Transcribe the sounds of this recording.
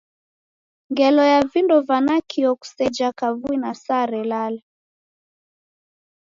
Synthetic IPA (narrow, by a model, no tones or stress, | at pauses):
ŋɡɛlɔjavindɔvanakʰiɔku̥sɛd͡ʒakavuinasaɾɛlala